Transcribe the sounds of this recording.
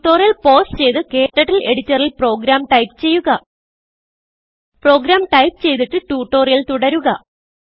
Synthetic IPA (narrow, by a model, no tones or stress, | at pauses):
ʈːo̞ːrijɐlpo̞ːsʈt͡ɕe̞jt̪ɨke̞ːʈːɐʈːile̞ɽit͡ɕːɐrilpro̞ːɡɾaːmʈɐjpt͡ɕe̞jːuɣɐ | pro̞ːɡɾaːmʈɐjpt͡ɕe̞jt̪iʈːɨʈuːʈːo̞ːrijɐlt̪uɽɐɾuɣɐ